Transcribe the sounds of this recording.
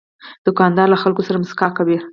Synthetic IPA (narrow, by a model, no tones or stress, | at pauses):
d̪̥ʊkɑnd̪ɑɾlaxalkosaɾamʊskɑkawi